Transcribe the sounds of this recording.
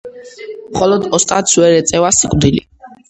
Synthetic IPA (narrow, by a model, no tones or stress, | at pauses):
mχɔlɔd̪ɔst̪ʼat̪sʰwɛɾɛt̪sʼɛvasikʼvd̪ilḭ